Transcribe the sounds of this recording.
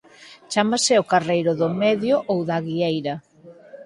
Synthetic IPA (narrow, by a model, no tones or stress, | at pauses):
t͡ʃamasɪokarejɾʊðʊmeðjoʔowðaɣiejɾɐ